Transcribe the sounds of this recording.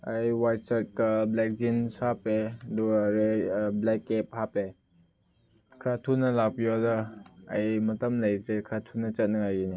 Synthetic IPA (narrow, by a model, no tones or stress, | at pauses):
ajwajtsat̚kɐblɛk̚zinsapeduɾeblɛkːep̚hape | kʰɾatʰunːɐlak̚pijodɐ̰ːjmɐtɐmlɐjt̪ʰɾekʰɾatʰunːɐt͡ʃɐt̚nɐajɡini